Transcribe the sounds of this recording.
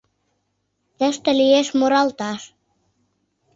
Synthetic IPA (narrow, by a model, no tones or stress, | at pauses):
t̪æ̆ʃt̪æ̆lieʃmoɾɑlt̪ɑʃ